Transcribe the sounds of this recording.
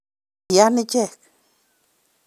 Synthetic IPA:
janit͡ʃehk

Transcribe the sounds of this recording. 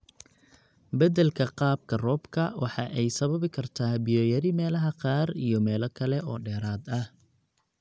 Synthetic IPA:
bɐdɛlkʰɐqɑːb̚kʰɐrɔːbkʰɐwɑħɑʔɛjsɐβɐβɪkʰɐrt̪ʰaːbɪjɔːjɐɾɪmɛːlɐɦɐqɑːrijɞmɛːlɐkʰɐlɛʔɔːɖɛːɾaːd̪ɐh

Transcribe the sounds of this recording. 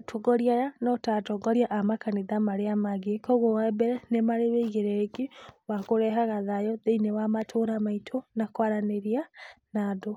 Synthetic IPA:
tʰɔɡɔɾiajanɔtatɔɡɔɾjaʔamakaneðamaɾeamaɡekɔɣowabɛɾɛnemaɾeβeiɣeɾɛɡewakoɾɛɦaɣaðajɔðeinewamatʰoɾamaitʰonakwaɾaneɾianado

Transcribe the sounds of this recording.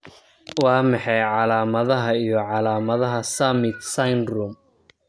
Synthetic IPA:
wɑːmɑħɑjʕɑlaːmɐðɐɦɐijɔʕɑlaːmɐðɐɦɐsɐmɪt̪sɐjnrum

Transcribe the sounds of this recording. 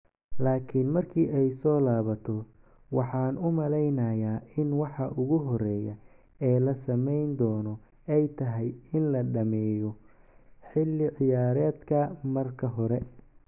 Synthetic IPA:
laːkʰɪnmɐrkʰiːʔɛjsɔːlaːβɐt̪ʰɔ | wɑħɑːnʊmɐlɛjnɐjaːɪnwɑħɑʔʊɣʊɦɔrɛːjɐ | ɛːlɐsɐmɛjnd̪ɔːnɔ | ɛjt̪ʰɐɦɛjɪnlɐɖɐmɛːjɔ | ħɪlːɪʕɪjaːɾɛːd̪kʰɐmɐrkʰɐɦɔɾɛ

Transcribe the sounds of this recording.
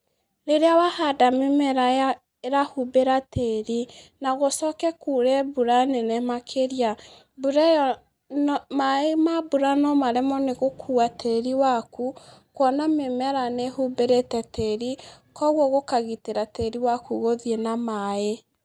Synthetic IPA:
ɾeɾeawahadamemɛɾaja | eɾahubeɾateɾinaɣosɔkɛkuɾɛbuɾanɛnɛmakʰeɾia | buɾɛ | nmaemabuɾanɔmaɾɛmɔneɣokʰuatʰeɾiwakukwɔnamemɛɾanehubeɾetɛteɾi | kɔɣwɔɣokaɣiteɾateɾiwakuɣoðienamae

